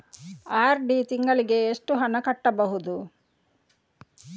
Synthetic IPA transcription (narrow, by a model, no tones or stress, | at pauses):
aːɾɖit̪iŋɡɐɭiɡe̞ːʂʈuɦɐnɐkɐʈːɐbɐɦud̪u